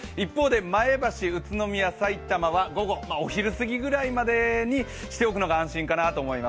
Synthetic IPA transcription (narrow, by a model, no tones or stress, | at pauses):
ipːo̞ːd̪e̞mae̞baɕiɯ̟t͡sɨno̞mʲijasait̪amaβaɡo̞ɡo̞maoçiɾɯ̟sɨɡʲiɡɯ̟ɾaimad̪e̞ɲ̟i | ɕi̥t̪e̞o̞k̬ɯ̟no̞ɡaãɰ̃ɕĩŋkanat̪oːmo̞imas